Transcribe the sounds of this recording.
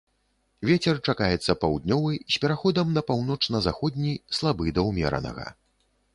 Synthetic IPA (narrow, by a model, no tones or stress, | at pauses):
vʲɛt͡sʲɛrt͡ʂakajɛt̪sːɐpawd̪̚ʲnʲɔvɨsʲpʲɛɾaxɔd̪ɐmnɐpawnɔt͡ʂnɐzaxɔd̪ʲnʲislˠabɨd̪ɐwmʲɛ̰ɾɐ̰nɐ̰ɣɐ̰